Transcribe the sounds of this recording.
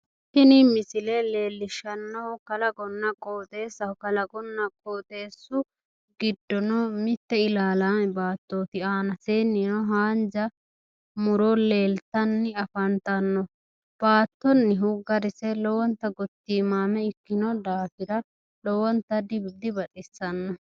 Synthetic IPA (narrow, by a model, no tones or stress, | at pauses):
kɪnɪmɪsɪlɛle̞ːlːɪʃɐnːɔhʊkɐlɐɡɔnːɐkʼoːt̪e̞ːsɐhkɐlɐɡɔnːɐkʼoːt̪e̞ːsːʊ | ɡɪd̪ːɔnɔmɪt̪ːɛɪlaːlaːmɛbaːt̪ːoːt̪ɪaːnɐseːnːɪnɔɦaːnd͡ʒɐ | mʊɾɔle̞ːlt̪ɐnːɪɐfɐnt̪ɐnːɔ | b̥aːt̪ːɔnːɪɦʊɡɐɾɪsɛlɔwɔnt̪ːɐɡɔt̪ːiːmaːmɛɪkːɪnɔd̪aːfɪɾɐ | lɔwɔnt̪ːɐd̪ɪbd̪ɪbɐtʼɪsːɐnːɔ